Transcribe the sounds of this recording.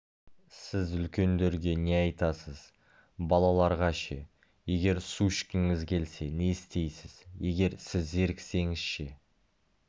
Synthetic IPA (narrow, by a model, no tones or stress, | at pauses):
sɪzʏlkʲe̞nd̪e̞ɾɡʲe̞ne̞ɑjt̪ɑsəz̥ | bɑlˠɑlˠɑɾʁɑʃe | je̞ɡʲe̞ɾsuʃkʲɪŋɪzkʲʰe̞lse̞ne̞ɪst̪e̞jsɪz̥je̞ɡʲe̞ɾsɪzːe̞ɾkʲse̞ŋɪz̥ʃe